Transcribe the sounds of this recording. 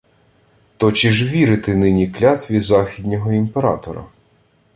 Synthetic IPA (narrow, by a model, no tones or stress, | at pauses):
t̪ɔt͡ʃiʒʋʲiɾɪt̪ɪnɪnʲiklʲat̪ʋʲizɑxʲid̪ʲnʲɔɦɔimpeɾɑ̰t̪ɔɾɐ̰